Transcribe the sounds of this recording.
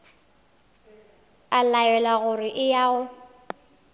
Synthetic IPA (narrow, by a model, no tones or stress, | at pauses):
alajɛlaɣʊrɪʔɪjaːʊ